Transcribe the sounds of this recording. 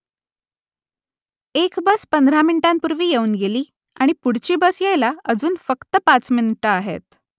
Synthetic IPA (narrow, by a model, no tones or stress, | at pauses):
ekbəspənd̪ɾaminiʈãmpuɾʋiːjeuːnɡeliː | a̰ɽ̃ipuɽ̤t͡ɕiːbəsjajlaəd͡zuːnfəkt̪əpat͡sminiʈəaɦḛt̪